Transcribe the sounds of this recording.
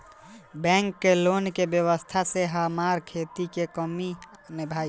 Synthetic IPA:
bɛ̃ːŋkːeloːnkebjəwəst̪ʰaseɦamaːɾkʰeːt̪ikekəmi | nɪbʱaːi

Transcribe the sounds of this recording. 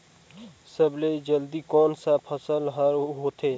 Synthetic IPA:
səbleid͡ʒəld̪ikɔːnsapʰəsəlɦəɾɦot̪eː

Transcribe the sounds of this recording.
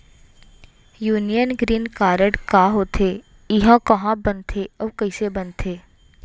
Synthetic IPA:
juːnijənɡɾiːnkaːɾəɖkaɦoːt̪ʰe | ɪɦãkɐɦãbɐnt̪ʰeəːkəɪsebɐnt̪ʰeː

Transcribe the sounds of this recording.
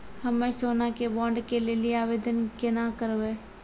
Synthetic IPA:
hɐmẽsoːnakebɔ̃ːɳɖkeleːliaːʋeːd̪ənkenakəɾʋe

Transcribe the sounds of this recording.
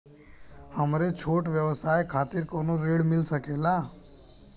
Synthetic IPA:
həmɾet͡ʃʰoːʈʋjəʋsaːjkʰaːt̪ɪɾkoːnoɾeːɽmɪlsəkeːlaː

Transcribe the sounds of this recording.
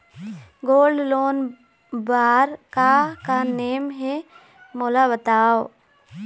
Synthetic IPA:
ɡoːlɖloːn | baːɾkakaneːmɦe | moːlabət̪aːo

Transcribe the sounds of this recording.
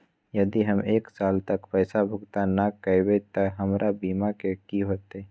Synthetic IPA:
jəd̪iɦəmeːksaːlt̪əkpɛːsabʱʊɡt̪anakəjbet̪əɦəmɾʔabiːmakekiɦoːt̪e

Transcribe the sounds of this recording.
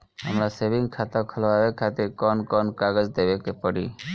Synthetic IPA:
a̰mɾasebiŋkʰat̪akʰɔlɔbabekʰːat̪iɾkɔnkɔnkaɡɔd͡ʒd̪ebekepɔɽḭ

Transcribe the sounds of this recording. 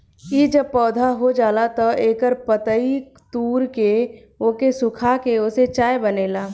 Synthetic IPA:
kid͡ʒəb̚pɔːd̪ʱaɦod͡ʒaːlat̪ɔeːkəɾpət̪əik | t̪uːɾke | okesʊkʰakeʊset͡ʃaːjbəneːlaː

